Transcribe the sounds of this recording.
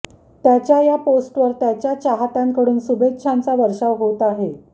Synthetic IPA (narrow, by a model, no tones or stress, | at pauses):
t̪jat͡ɕjajaposʈʋəɾt̪jat͡ɕjat͡ɕaɦat̪aŋkəɽuːnsubetːʂʰant͡saʋəɾʂaʋɦot̪aɦe